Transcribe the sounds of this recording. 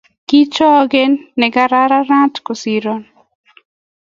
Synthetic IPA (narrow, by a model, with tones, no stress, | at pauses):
ki˦t͡ʃɔ˦ɡe˦nːɛ˨ɡa˨ɾa˦ɾa˦ɾa˦tko˨siɾɔn